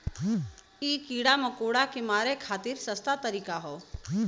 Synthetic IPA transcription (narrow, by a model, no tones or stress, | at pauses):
ikiːɽaməkoːɽakemaːɾekʰaːt̪iɾsəst̪at̪əɾiːkaɦoː